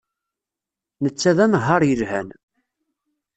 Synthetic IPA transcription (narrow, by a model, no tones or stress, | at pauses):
nət͡sːæðænəɦːɑɾˤjəlhæ̰n